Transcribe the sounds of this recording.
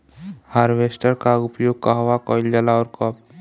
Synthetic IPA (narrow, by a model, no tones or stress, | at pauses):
haːɾʋeːsʈəɾkaʊpjoːɡ̚kaɦʋakɔːɪld͡ʒalaɔːɾkɔp̚